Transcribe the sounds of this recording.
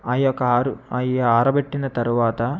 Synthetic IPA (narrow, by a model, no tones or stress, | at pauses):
ɐjɔkːɾuɐjjɐaːɾɐbeʈːinɐt̪ɐɾuʋaːt̪ɐ